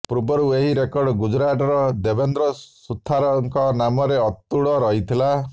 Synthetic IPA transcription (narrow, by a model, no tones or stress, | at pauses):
pɾubɔɾueɦiɾekɔɾɖɔɡud͡ʒɾaʈɔɾɔd̪ebend̪ɾɔsut̪ʰːaɾɔŋkɔnamɔɾeɔt̪ːuɭɔɾɔɦit̪ʰila